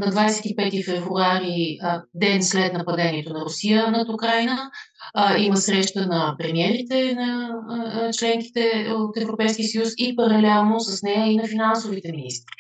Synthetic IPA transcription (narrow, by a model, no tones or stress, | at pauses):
nɐd̪vajsɛ̥t̪ipɛt̪ifɛvɾuaɾid̪ɛnslɛt̪nɐpɐd̪ɛniɛt̪onɐɾʊsijənɐt̪ʊkɾajnə | iməsɾɛʃt̪ənɐpɾɛmiɛɾit̪ɛnɐ | t͡ʃlɛŋk̟i̥t̪ɛot̪ɛvɾopɛjsk̟iəsəjusipɐɾɐlɛlˠnosɐsnɛjəinɐfinansovit̪ɛminist̪ɾi